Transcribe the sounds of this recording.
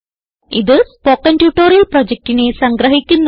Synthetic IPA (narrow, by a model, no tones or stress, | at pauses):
iðɨspoːkːɐnpjuʈːoːɾijɐlprod͡ʑek̚tinesɐŋɡɾɐɦikʲːunː